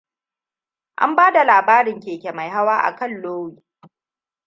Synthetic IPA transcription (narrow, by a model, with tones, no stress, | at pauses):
ʔa̰˦mbaː˦da˨laː˨baː˦ɾɪ˨ŋkʲeː˨kʲe˨ma˨jɦa˦waː˦ʔa̰˨kɐ˦˨lloː˦wiː˨